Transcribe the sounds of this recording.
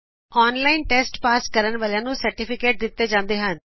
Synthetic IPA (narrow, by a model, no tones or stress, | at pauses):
ɔːnlaːinʈɛːsʈpaːskəɾənʋaːljãːnũːsəɾʈɪpʰɪkeːʈ̚d̪ɪt̪ːeːd͡ʒãːnd̪eːɦən